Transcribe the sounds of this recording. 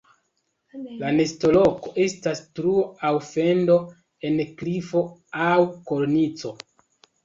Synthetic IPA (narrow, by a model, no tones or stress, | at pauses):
lane̞sto̞lo̞ko̞ʔe̞stastɾuoawfe̞ndo̞ | e̞nklifo̞awkolnit͡so̞